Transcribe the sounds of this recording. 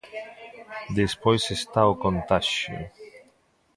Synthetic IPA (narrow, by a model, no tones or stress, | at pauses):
d̪espojsest̪aokont̪aʃjo̰